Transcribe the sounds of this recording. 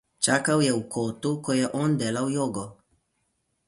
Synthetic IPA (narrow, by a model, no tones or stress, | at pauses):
t͡ʃakawjɛukʰɔt̪ukɔjɛʔɔnd̪ɛːlawjɔɡɔ